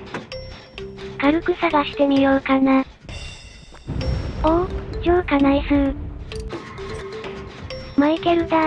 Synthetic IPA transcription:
kaɾɯ̟kɯ̟saɡaɕi̥t̪e̞mʲijoːkana | oːd͡ʑoːkanaisɯ̟ | maike̞ɾɯ̟d̪a

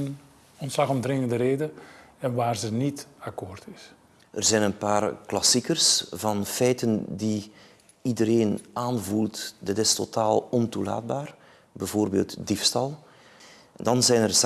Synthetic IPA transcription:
n | ɔntslɑχɔmdrɪŋəndəɾeːdə | ɛnʋaːrzənitakoːrtɪs | ərzɛjnənpaːrklɑsikərsvɑnfɛjtəndi | idəɾeːnaːnvulˠtdɪtɪstotaːlˠɔntula̰ːd̚baːr | bɛvoːrbḛːlˠtdifstɑlˠ | ndɑnzɛjnər

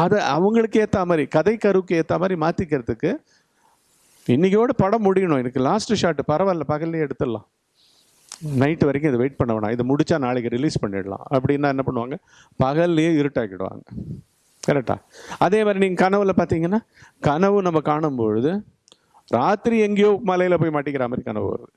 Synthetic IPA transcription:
ɐðɐʔɐ̰ʋɐŋɡɐɭɯkːɯeːt̪ːaːmaːd̪ɾikɐðɐɪkːɐɾɯʋɯkːɯeːt̪ːaːmaːɾimaːt̪ɪkːɪɾɐðɯkːɯ | ɪnːɪkːɪoːɽɐpɐɽɐmːʊɽɪjɐɳõːɛnɐkːɯlaːsʈɯʂaːʈːɯpɐɾɐʋaːɾlɐpɐɣɐlɪjɛɽɯt̪ːɐlːã̰ː | nɐɪʈːɯʋɐɾɪkːʊ̃ɪðɯʋeɪʈ̚pɐɳːɐʋɐna̰ːɪðɯmʊɽɪt͡ʃːaːnaːɭɪkːɯɾɪliːspɐɳːɪɽɐlã̰ːʔɐpːɐɽɪnːaːɛnːɐpɐɳːɯʋaːŋɡɐ | pɐɣɐlːjeːɪɾɯʈːaːkɪɽɯʋa̰ːŋɡɐ | kɐɾɛk̚ʈːa̰ːɐðeːmaːd̪ɾiniːŋɡɐkɐnɐʋɯlɐpaːɾt̪iːŋɡɐnːaː | kɐɳɐʋɯnɐmːɐkaːɳɯmpoɻɯðɯ | ɾaːt̪ɪɾiɛŋɡɐjoːmɐlɐjɪlɐpoːjmaːʈːɪkːɪɾaːmaːd̪ɾikɐnɐʋɯ̰ʋɐ̰ɾɐ̰ðɯ

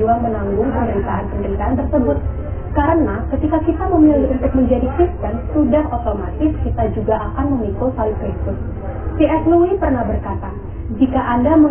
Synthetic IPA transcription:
uaŋmənaŋɡʊŋpəməɾit̪aɦanpəndəɾit̪aant̪ərsəbʊt̪̚ | kaɾənakət̪ikakit̪aməmilɪunt̪ʊk̚məɲd͡ʒadikɾist̪ɛnsudaɦot̪omat̪ɪskit̪ad͡ʒuɡaʔakanməmikosalupikʊs | t̪iɛsluipərnahbərkat̪a | d͡ʒikaʔandamə

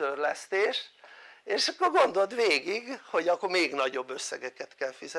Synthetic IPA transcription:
ørlɛst̪eːʃeːʃɒkːorɡo̞nd̪o̞lt̪ʋeːɡiɡho̞ɟɒkːomeːɡnɒɟo̞bːøsːɛ̰ɡɛkɛt̪kɛlfizɛ

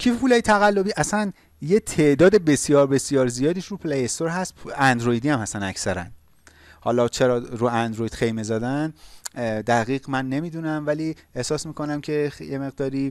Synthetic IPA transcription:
cʰifpʰuːlɒːjet̪ʰæɣælːobiːʔæsæn | je̞t̪ʰe̞ʔd̪ɒːd̪e̞be̞sijɒːɾbe̞sijɒːɾzijɒːd̪iːʃɾupʰlejest̪o̞ɾɦæst̪ænd̪ɾoid̪iːæmhæsænæcsæɾæ̰n | hɒ̰ːlɒt͡ʃʰe̞ɾɒːɾuænd̪ɾojid̪xe̞jme̞zɒːd̪æn | d̪æɣiːɣmænːe̞miːd̪uːnæmvæliːehsɒːsmiːkʰo̞næmcʰe̞jeme̞ɣd̪ɒːɾiː

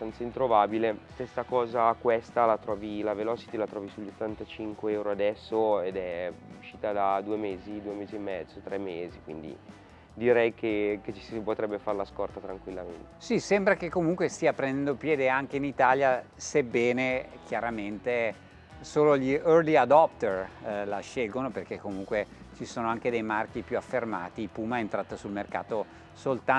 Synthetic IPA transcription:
st̪ant̪saint̪ɾovabilest̪ɛsːakɔːzakwest̪alat̪ɾɔːvilavelɔːt͡ʃi̥t̪ilat̪ɾɔːvisuʎːot̪ːant̪at͡ʃiŋkweɛwɾoad̪ɛsːoed̪ɛuʃːiːt̪ad̪ad̪uːemeːzid̪uːemeːziemːɛd̪zot̪ɾɛmːeːzikwḭnd̪ḭ | d̪iɾɛjkʰeket͡ʃi̥sipot̪ɾɛbːefaɾlaskɔrt̪at̪ɾaŋkwilːamḛnt̪e̥sisɛmbɾakekːomuŋkwest̪iːapɾend̪ɛnd̪opjɛːd̪eaŋk̟einit̪aːljasebːɛːnek̟ʰjaɾament̪e | soːloʎiørliad̪ɔp̚t̪erlaʃelɡonoperk̟ekːomuŋkwet͡ʃisoːnoaŋked̪ejmark̟ipjuafːerma̰ːt̪ipuːmaent̪ɾaːt̪asulmerka̰ːt̪o | solt̪a

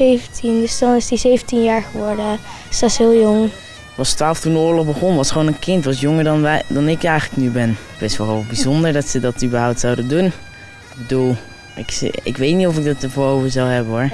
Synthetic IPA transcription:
ejvntʰindəsdɔnɪsdizejvəntinjaːɹχəʋɔɹdə | sɑsɦɪːlˠjʊŋ | ʋɑstʋaːlˠəftundəʊːɹlɔχbəχɔnʋɑsχʋoːnənkɪntʋɑsjʊŋəɹdndɑnɪkɛjχələknybɛn | bɪsʋɔlˠbizɔndəɹdɑtsədɑtybəɹɦawp̚tsawdəndun | ɪɡ̚bədulˠ | ɪksɪ̰kʋejtnitɔfɪɡ̚dɑtəvoːɹɦowvəzawɦɛbənɦʊɹ

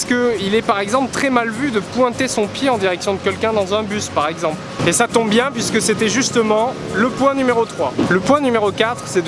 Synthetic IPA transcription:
pskəilɛpaʁɛɡzɑ̃plt̪χɛmalvyd̪əpwɛ̃t̪esɔ̃pjeɑ̃d̪iʁɛksjɔ̃d̪əkʲɛlkʲɛ̃d̪ɑ̃zɛ̃byspaʁɛɡzɑ̃plesat̪ɔ̃bbjɛ̃pɥiskəset̪ɛʒyst̪əmɑ̃ | ləpwɛ̃nymeʁot̪χwaləpwɛ̃nymeʁokat̪χsɛd̪

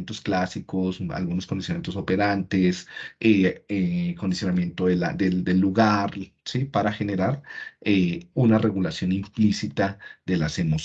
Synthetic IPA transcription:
nt̪o̞sklasikosa̰lɣunoskond̪isjonamjet̪osope̞ɾant̪eseekond̪isjonamje̞nt̪oðela̰d̪eld̪elːuɣaɾ | sipaɾaxe̞ne̞ɾaɾeunare̞ɣulasjo̞nimplisit̪aðe̞lase̞mo

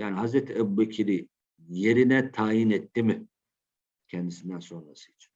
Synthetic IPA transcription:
jaːniɦazɾet̪ʰiɛbubecʰiɾi | je̞ɾinɛt̪ʰaːjinɛt̪ːimi | cʰɛnd̪isind̪ænso̞nɾasɯjit͡ʃʰi̥n

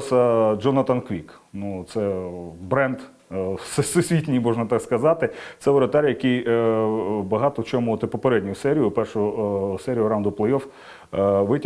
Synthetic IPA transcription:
sɐd͡ʒɔnɐt̪ɐnkʋʲiknut̪sɛbɾɛnd̪ | sɛsʊsʲʋʲitʲnʲimɔʒnɐt̪ɑkskɐzɑt̪ɪt̪sɛʋɔɾɐt̪ɑɾʲjɐkɪj | bɐɦɑt̪ɔt͡ʃɔmut̪ɛpɔpeɾɛdʲnʲʊjʊsɛɾʲijʊpɛrʃʊjʊsɛɾʲijʊɾɑnd̪ʊplˠejɔf | ʋɪtʲ

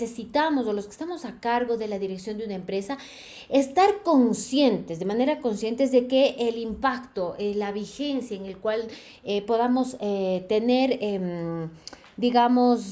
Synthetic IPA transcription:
sesit̪amo̞so̞lo̞ske̥st̪amo̞sakaɾɣo̞ðe̞laðiɾe̞ksjo̞nd̪unaempɾe̞sa | est̪aɾko̞nsje̞nt̪ezðe̞mane̞ɾako̞nsje̞nt̪e̞zðe̞keʔːlimpakt̪o̞ʔelaβixe̞nsjaeŋe̞lkwal | epo̞ðamo̞set̪e̞ne̞ɾem | d̪iɣamo̞s

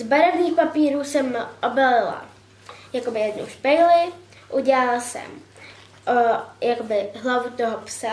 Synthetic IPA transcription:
zbaɾɛvɲiːxpapiːɾuːsɛmʔobɛlɪla̰ | jakobɪjɛdno̰wʃpɛjlɪ | ʔuɟɛlalasɛ̰m | ʔojakobɪɦlavut̪oɦopsa

